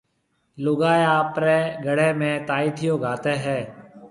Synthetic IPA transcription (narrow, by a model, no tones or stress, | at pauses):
lʊɡaːeaːpɾeːɡəɽẽːmẽːt̪aːiːt̪ʰɪjõːɡʱaːt̪eːɦɛː